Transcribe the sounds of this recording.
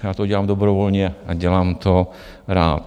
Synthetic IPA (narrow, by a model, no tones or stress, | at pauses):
jaːt̪oɟɛlaːmd̪obɾovolɲɛʔaɟɛlaːmt̪o | ɾa̰ːt̪